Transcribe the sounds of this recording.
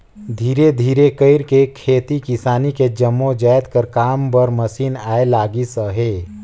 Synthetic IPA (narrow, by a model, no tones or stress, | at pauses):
d̪ʱiːɾed̪ʱiːɾekəɪɾkekʰeːt̪ikɪsaːniked͡ʒəmːõd͡ʒaːjt̪kəɾkaːmpəɾməsiːnaːelaːɡisəɦeː